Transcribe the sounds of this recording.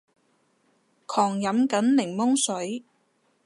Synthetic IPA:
kʰɔː˨˩ŋjɐ˨˥mkɐ˨˥nlɪ˨˩ŋmʊ˥ŋsɵ˨˥ɥ

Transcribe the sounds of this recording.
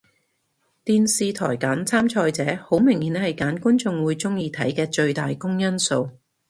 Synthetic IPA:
t̪iː˨nsiː˨˧t̪ʰɔ̰ː˨˩jkaː˨˥nt͡sʰaː˥mt͡ʃʰɔː˧jt͡sɛː˨˥ho˨˥wmɪ˨˩ŋhiː˨˥nhɐ˨jkaː˨˥nkuː˥nt͡sʊ˧ŋwuː˨˧jt͡sʊ˥ŋjiː˧t̪ʰɐ̰˨˥jkɛː˧t͡ʃɵ˧ɥt̪aː˨jkʊ˥ŋjɐ˥nso˧w

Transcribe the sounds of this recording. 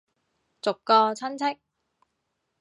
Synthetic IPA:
t͡sʊ˨kkːɔː˧t͡sʰɐ˥nt͡sʰɪ˥k̚

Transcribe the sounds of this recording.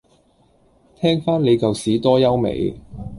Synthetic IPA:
t̪ʰɛː˥ŋfaː˥nle˨˧jkɐ˨wsiː˨˥t̪ɔː˥jɐ˥wmḛ˨˧j

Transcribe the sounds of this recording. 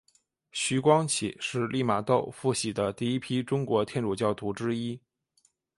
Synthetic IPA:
ɕy˧˥kwɑ˥ŋt͡ɕʰḭ˨˩˦ʂɻ̩˥˧lʔi˥˩ma˨˩t̪o˥˧ʊfu˥˩ɕi˨˩d̪ə˦t̪i˥˩˧i˥pʰi˥ʈ͡ʂʊ˥ŋkwɔ˧˥t̪ʰjɛ˥˧nʈ͡ʂu˨˥˩t͡ɕjɑ˥˩ʊt̪ʰu˧˥ʈ͡ʂɻ̩˥i˥

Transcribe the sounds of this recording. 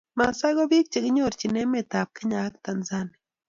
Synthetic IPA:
ma˨sa˦ɣo˦βi˦k̚t͡ʃe˨ɡi˦ɲoɾt͡ʃine˦met̪a˨p̚kə˦ɲa˦kt̪a˨nza˦ne

